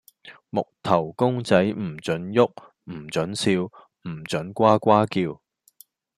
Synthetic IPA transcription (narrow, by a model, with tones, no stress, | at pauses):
mʊ˨k̚t̪ʰɐ˨˩wkʊ˥ŋt͡sɐ˨˥jm̩˨˩t͡ʃɵ˨˥njʊ˥k̚ | m̩˨˩t͡ʃɵ˨˥nsiː˧w | m̩˨˩t͡sɵ˨˥nkʷaː˥kʷaː˥kiː˧w